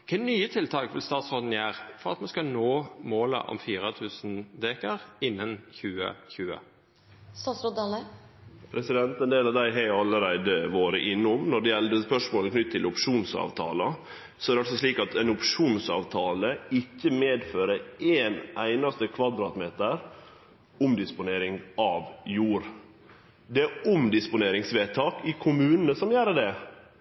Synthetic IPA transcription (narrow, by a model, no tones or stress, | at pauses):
kʰɛɪnyːət̪ʰɪlt̪ʰɑːkʋɪ̰lst̪ɑːt̪sʁoːd̪n̩jæːʁfɔʁɑ̰t̪mɑnskɑnoːmoːlə̰ʔɔ̰mfiːɾət̪ʰʉːsn̩d̪eːkɑʁɪnːənçʉːə̰çʉːə̰ | st̪ɑːt̪sɾod̪ɑlə | pʰɾɛsɪd̪ɛnt̪ɛnd̪eːlɑʋd̪æɪɦɛɪɑlːəɾæɪd̪əʋoːɾə̰ʔɪnːʊmnɔɖɛjɛld̪əspœʂmoːləkʰnʏt̪ʰːɪlʊpʂuːnsɑ̰ːʋt̪ʰɑ̰ːlɑ | sɔæɾdɛɑlsɔsliːkɑt̪ʰɛnʊpʂuːnsɑ̰ːʋt̪ʰɑːləɪçːəmeːd̪føːɾəeːnæɪnɑst̪əkʰʋɑd̪ɾɑːt̪meːt̪əɾ | ʊmd̪ɪspʊneːɾɪŋɑːʋjuːɾ | d̪ɛæʊmd̪ɪspʊneːɾɪŋsʋeːt̪ʰɑːkɪkʰʊmʉːnənəsɔmjæːɾəɖɛ